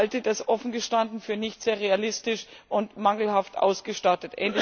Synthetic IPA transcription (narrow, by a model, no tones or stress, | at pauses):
ltədasʔɔfn̩ɡəʃtandn̩fyːɐnɪçtz̥eːɐʁ̞ealɪstɪʃʔʊntmaŋl̩haftʔa̰ʊsɡ̥əʃtatətʔɛ̰ːndl